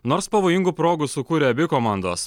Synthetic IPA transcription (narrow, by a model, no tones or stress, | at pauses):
noːɾspɐʋoːjɪŋɡupɾoːɡʊsʊkuːɾʲeɐbʲɪkoːmɑˑnd̪oːs